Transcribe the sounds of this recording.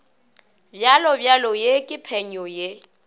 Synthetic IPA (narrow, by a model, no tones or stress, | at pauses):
bjalɔbjalɔjekʼɪpʰɛɲɔje